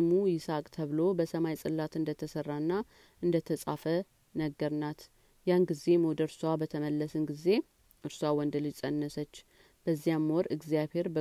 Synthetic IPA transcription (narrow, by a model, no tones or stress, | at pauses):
mujɪsakʼt̪ʰəβlo̞bəsəmajsʼɨlːat̪ɨnd̪ət̪ʰəsərːanːa | ʔɨnd̪ət̪ʰəsʼa̰fə | nəɡːəɾnat̪ | janɡize̞mod̪əɾsuwabət̪ʰəməlːəsɨnɡize̞ | ʔɨɾswawɔnd̪əlɨd͡ʒsʼənːəsət͡ʃː | b̥əzːijamːɔɾɨɡzijaβhe̞ɾbə